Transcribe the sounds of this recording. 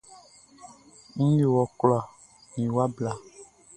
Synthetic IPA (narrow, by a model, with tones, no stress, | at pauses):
ŋ̩̃˦je˨wɔ˨klɔ˦˨a˨ | nĩ˨wa˦bla˨